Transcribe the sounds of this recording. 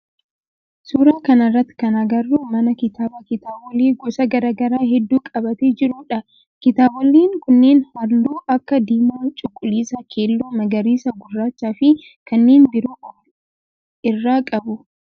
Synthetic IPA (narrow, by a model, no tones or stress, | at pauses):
suːɾaːkɐnɐrːɐt̪ːɪ̥kɐnɐɡɐrːuːmɐnɐkɪt̪aːbɐkɪt̪aːbɔliːɡɔsɐɡɐɾaːɡɐɾaːhɛd̪ːuːkʼɐbɐt̪eːd͡ʒɪɾʊᶑɐ | kɪt̪aːbɔlːiːŋkʊnːeːnhɐɾluːʔɐkːɐd̪iːmoːt͡ʃʼʊkʼːʊliːsɐkʰe̞ːlːuːmɐɡɐɾiːsɐɡʊrːaːt͡ʃːaːfɪ | kɐnːeːnbɪɾuːkʼo | ɪrːaːkʼɐbʊ